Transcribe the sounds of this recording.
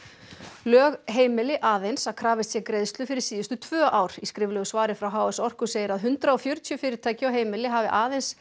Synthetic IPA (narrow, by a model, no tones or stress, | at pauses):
lœːɣɦeːjmɪlɪʔaːðejnsakʰɾaːvɪst̪sjɛkɾejðst̪lʏfɪɾɪɾ̥siːðʏst̪ʏt̪ʰv̥œːʔaːwɾ̥iskɾɪvlœɣsvaːɾɪfɾawɦaːwɛsɔr̥kʏ̥seːjɪɾaðɦʏnt̪ɾaɔfjœɾ̥t̪ʰjʏfɪːɾɪɾt̪ʰaːjcɪawɦeːjmɪlɪɦavɪʔaːðejns